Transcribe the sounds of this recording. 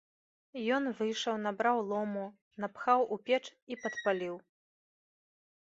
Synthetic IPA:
jɔnvɨjʂɐwnabɾawlˠɔmu | napxawʔupʲɛt͡ʂipɐt̪palʲiw

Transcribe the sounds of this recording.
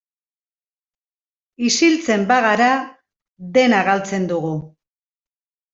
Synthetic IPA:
isilt͡se̞mbaɣaɾa | ðe̞naɣalt͡se̞nd̪uɣu

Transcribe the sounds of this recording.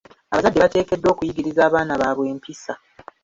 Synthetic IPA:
a̰βazadːe̞βate̞ːke̞dːo̞ːkujiɡiɾizaːβaːnaβaːβwe̞ːmpisa

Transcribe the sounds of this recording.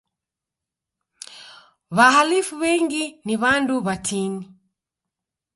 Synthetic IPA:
βaɦalifuβɛŋɡiniβanduβatʰini

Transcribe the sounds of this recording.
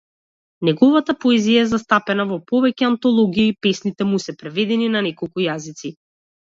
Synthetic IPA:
nɛɡɔvat̪apɔɛzijaɛzast̪apɛnavɔpɔvɛcɛant̪ɔlˠɔɡiiipɛsnit̪ɛmusɛpɾɛvɛd̪ɛninanɛkɔlˠkujazit̪si

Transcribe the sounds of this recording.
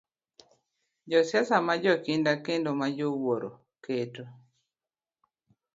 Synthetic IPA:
d͡ʒɔsjasamad͡ʒɔkindakendomad͡ʒowoɾo̰ | keto

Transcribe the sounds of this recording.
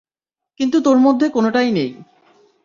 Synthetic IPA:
kint̪ut̪oɾmod̪ʱːekonoʈajnej

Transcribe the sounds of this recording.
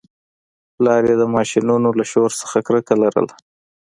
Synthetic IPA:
lɑɾjed̪əmɑʃinunolaʃoɾsə̥xakɾəkalaɾə̰l

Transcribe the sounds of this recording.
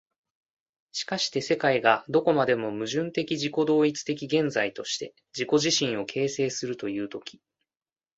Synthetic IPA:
ɕi̥kaɕi̥t̪e̞se̞kaiɡad̪o̞ko̞mad̪e̞mo̞mɯ̟ʑɨ̃nt̪e̞kʲiʑiko̞d̪o̞ːit͡sɨ̥t̪e̞kʲiɡẽ̞nd͡zait̪o̞ɕi̥t̪e̞ | d͡ʑiko̞ʑiɕĩɰ̃o̞kʰe̞ːse̞ːsɨɾɯ̟t̪o̞jɯ̟ːt̪o̞kʲi̥

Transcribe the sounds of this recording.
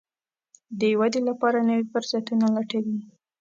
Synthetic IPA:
d̪əjwad̪elapɑɾanəwifʊɾzat̪unalaʈawi

